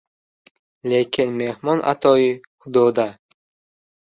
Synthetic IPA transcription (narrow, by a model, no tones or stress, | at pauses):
lekʲʰinmehmɔnʔa̰t̪ʰɔihud̪ɔd̪a